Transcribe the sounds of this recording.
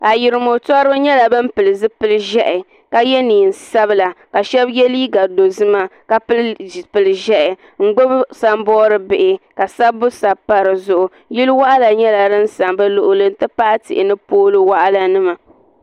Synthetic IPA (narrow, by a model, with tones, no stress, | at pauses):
a˨jɪ˨ɾɨ˨mo˨tɔ˦ɾɨ˦ba˦ɲɛ˦la˨bɨ˦mpɨ˨lɨ˨zɨ˦pɨ˦lɨ˦ʒɛ˦ʔɪ˨ | ka˦jɛ˦niː˨n̩˨sa˦bɨ˦la˨ka˨ʃɛ˦bjɛ˦liː˦ɡa˨do˨zɨ˦ma˦ka˦ppɨ˨lɨ˨ʒɛ˦ʔɛ˨ | ŋ̩˦ɡ͡bo˦bsa˦m˦bɔː˦ɾɨ˦bɪ˨ʔɪ˨ka˨sa˦bʊ˦sa˨pa˦ɾɨ˨zʊ˨ʔʊ˨ | ji˦lwa˦ʔa˦la˨ɲɛ˦la˨dɨ˦n̩˦sa˨mbɛ˦lʊ˨ʔʊ˨lɨ˦n˦tɨ˦pa˦ʔa˦tɪ̰˨ʔɪ˨nɨ˦poː˦lɨ˦wa˦ʔa˦la˦nɨ˦ma˨